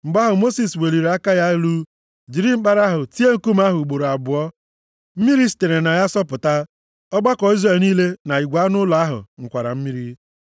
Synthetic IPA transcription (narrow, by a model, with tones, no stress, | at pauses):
ŋ͡m̩˨ɡ͡ba˦ɦʊ˨mo˦si˨swe˨li˨ɾe˨a˦ka˦ja˦ɪ˦lu˦ | d͡ʒi˨ɾi˦ŋ͡m̩˦k͡pa˦ɾa˦ɦʊ˨ti˦e˦ŋ̩˦ku˦m˦a˦ɦʊ˨u˨ɡ͡bo˨ɾo˨a˨bʊ˨ɔ˦ | m̩˦mi˦ɾi˦si̥˨te˨ɾe˨na˨ja˦sɔ˦pʊ˨ta˦ | ɔ˦ɡ͡ba˦kɔ˨i˦zɾe˦˨lni˦le˦na˨i˨ɡʷa˦nʊ˦la˨a˦ɦʊ̰˨ŋ̩˨kʷa˨ɾa˨m̩˦mi˦ɾi˦